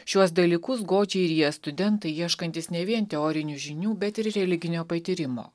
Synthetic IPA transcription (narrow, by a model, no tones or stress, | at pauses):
ʃʲuɔsd̪ɐlʲiːkʊs̬ɡoːd͡ʒʲɛɪɾjiɛst̪ʊd̪ʲɛnt̪ɐɪjiɛʃkɐnʲt̪ʲɪsnʲɛʋʲiɛnt̪ʲɛoːɾʲɪnʲuːʒʲɪnʲuːbʲɛt̪ɪɾɾʲɛlʲɪɡʲɪnʲoːpɐt̪ʲiːɾʲɪmo̰ː